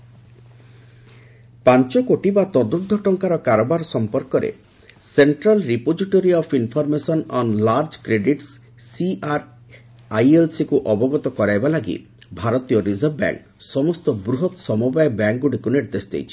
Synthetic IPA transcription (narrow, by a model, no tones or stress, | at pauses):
pant͡ʃɔkoʈibat̪ɔd̪ud̪ʱɔʈɔŋkaɾɔkaɾɔbaɾsɔmpɔɾkɔɾḛ | seɳʈɾalɾipod͡ʒiʈoɾiɔpʰinpʰɔɾmesɔnɔnlaɾd͡ʒkɾeɖiʈsː | iaɾ | ajelsikuʔɔbɔɡɔt̪ɔkɔɾajbalaɡḭ | bʱaɾɔt̪ijɔɾizɔɾbba̰ŋk | sɔmɔst̪ɔbɾuɦɔt̪sɔmubajbaŋkɡuɽikuniɾd̪esd̪ḛjt͡ʃʰi̥